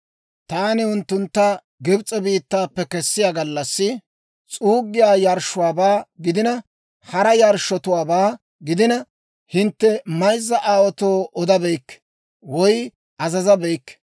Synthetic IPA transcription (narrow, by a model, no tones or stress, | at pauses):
t̪aːnɪʊnt̪ːʊnt̪ːɐ | ɡɪbt͡sʼɔbiːt̪ːaːpːɛkɛsːɪjaːɡɐlːɐsːɪ | t͡sʼuːɡːɪjaːjɐɾʃʊwaːbaːɡɪd̪ɪnɐ | hɐɾɐjɐɾʃɔt̪ʊwaːbaː | ɡɪd̪ɪnɐ | hɪnt̪ːɛmɐjzːɐʔaːwɔt̪oːʔɔd̪ɐbɛjkː | wɔj | ʔɐzɐzɐbɛjkː